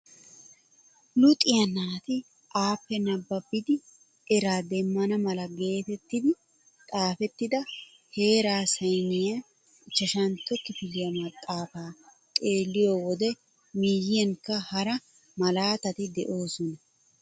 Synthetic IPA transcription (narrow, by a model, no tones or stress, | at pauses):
lʊt̪ʼɪjɐnaːt̪ɪ | ʔaːpːɛnɐbːɐbɪd̪ɪ | ɛɾaːd̪ɛmːɐnɐmɐlɐɡe̞ːt̪ɛt̪ːɪd̪ɪ | t̪ʼaːfɛt̪ːɪd̪ɐ | he̞ːɾaːsɐjnɪjɐ | t͡ʃːɐʃɐnt̪ːɔk̪ːɪfɪlːɪjɐmɐt̪ʼːaːfaː | t̪ʼeːlːɪjoːwɔd̪ɛ | miːjɪjɛŋkːɐhɐɾɐ | mɐlaːt̪ɐt̪ɪd̪ɛʔo̞ːsɔnɐ